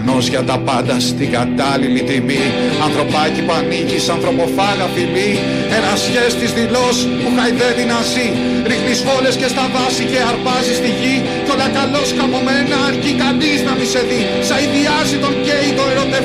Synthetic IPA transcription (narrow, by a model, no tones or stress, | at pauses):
no̞zʝɐt̪ɐpɐnd̪ɐst̪iɡɐt̪ɐlilit̪imi | ɐnθɾo̞pɐcipɐnicisɐnθɾo̞po̞fɐɣɐfimi | enɐsçe̞st̪izðilo̞s | puxɐjðe̞vinɐzi | ɾixnisfo̞le̞sce̞st̪ɐvɐsice̞ɐɾpɐzist̪iʝi | colɐkɐlo̞sxɐmo̞me̞nɐːɾcikɐniznɐmise̞ði | sɐiðiɐzit̪o̞ɲɟe̞it̪oeɾo̞t̪e